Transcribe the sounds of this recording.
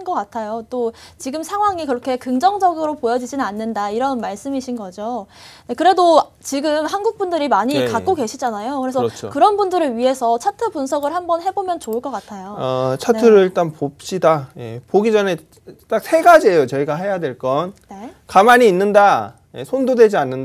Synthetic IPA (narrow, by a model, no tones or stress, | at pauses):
nɡʌk͈atʰajot͈ot͡ɕiɡɯmsʰaŋɦwaŋikɯɾʌkʰe̞kɯŋd͡ʑʌŋd͡ʑʌɡɯɾopojʌd͡ʑid͡ʑinɯnanːɯndaiɾʌnmaɭs͈ɯmiɕʰinɡʌd͡ʑo | nekɯɾe̞do | t͡ɕiɡɯmhanɡuk̚p͈undɯɾimaɲikakk͈oɡe̞ɕʰid͡ʑanajokɯɾesʰʌt͡ɕʰo̰kɯɾʌnbundɯɾɯɭɥiɦe̞sʰʌt͡ɕʰatʰɯbunsʰʌɡɯɭhambʌnhe̞bomjʌnt͡ɕoɯɭk͈ʌk͈atʰajoʌt͡ɕʰantʰɯɾɯɭiɭt͈anpop̚ɕ͈idaje̞̰poɡid͡ʑʌne̞ | t͈ak̚sʰe̞ɡad͡ʑiɦejot͡ɕʌiɡaɦejadwe̞ɭk͈ʌnnekamaɲiːnːɯnda | je̞̰sʰondodwe̞d͡ʑianːɯnda